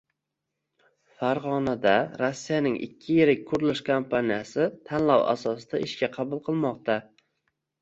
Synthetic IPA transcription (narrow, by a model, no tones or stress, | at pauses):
faɾʁɒnad̪aɾosːijanɪŋʔɪ̰kʲʰːɪjeɾɪk̚ʲkʰʊɾɪlɪʃkʰompʰanijasɪt̪ʰanlawa̰sɒsd̪aʔɪʃkʲaqʰɑbʊlˠqʰɨlˠmɒqt̪a